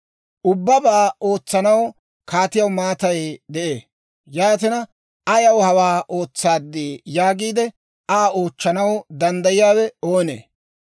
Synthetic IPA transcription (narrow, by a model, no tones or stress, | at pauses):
ʔʊbːɐbaːoːt͡sːɐnɐw | kaːt̪ɪjɐwmaːt̪ɐjd̪ɛʔeː | jaːt̪ɪnɐ | ɐjɐwhɐwaːʔo̞ːt͡sːaːd̪ːiːjaːɡiːd̪ɛ | aːo̞ːt͡ʃːɐnɐwd̪ɐnd̪ɐjɪjaːwɛoːnḛː